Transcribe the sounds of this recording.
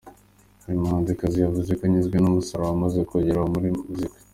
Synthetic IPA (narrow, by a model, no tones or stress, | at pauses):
haɾimahaːnzikazijavuzekaɲizɡwenumusaɾaamazekoɟeɾamuɾimuziki̥